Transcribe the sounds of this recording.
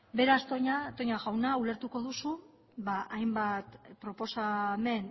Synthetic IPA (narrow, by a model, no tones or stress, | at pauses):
be̞ɾast̪oɲat̪o̞ɲaɣawnaule̞ɾt̪uko̞ðusu | βaʔajmbat̪pɾo̞po̞same̞n